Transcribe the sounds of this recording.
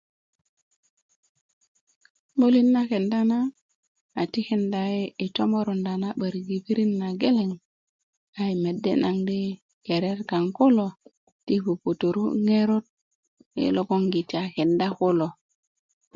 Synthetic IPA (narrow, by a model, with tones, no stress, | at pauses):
bo˦li˦nːa˦ke˨nda˦na˦ | a˨ti˦ke˨nda˨e˦ʔe˨to˦mo˦ɾo˨nda˨na˦ɓə˨ɾɡi˨pi˦ɾi˦nːa˨ɡe˦le˨ŋ | a˨i˨me˨dːḛ˦na˨ŋde˦ | ke˨ɾe˦ɾka˨ŋko˦lo˨ | ti˦fu˨po˨to˨ɾṵ˦ŋe˦ɾo˦t̚ | ḛ˨lo˦ko˦ŋɡi˨ti˨a˨ke˨nda˦ko˦lo˨